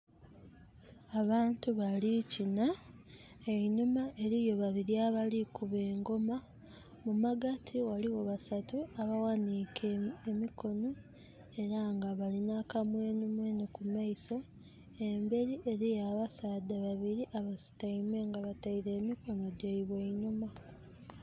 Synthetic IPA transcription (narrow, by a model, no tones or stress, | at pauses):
aβaːntuβalicina | eɲumaʔe̞ɾijo̞βaβiɾiaβalikuβeːŋɡo̞ma | mumaɡatʰiwaliwo̞βasatuaβawanikʰeemiko̞no̞ | e̞ɾaŋɡaβalinakamwe̞ːnumwenikumaiso̞ | e̞mbe̞ɾiʔe̞ɾijaβasaːdaβaβiɾiʔaβasi̥taimweŋɡaβataiɾe̞ːmiko̞no̞ɟeiβeiɲuma